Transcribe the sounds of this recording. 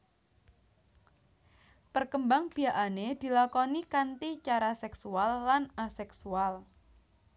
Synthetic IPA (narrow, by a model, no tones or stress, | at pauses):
pərkəmbaŋb̥i̤aʔaned̪̥i̤lakɔnikant̪it͡ʃaɾasɛksualːanasɛksual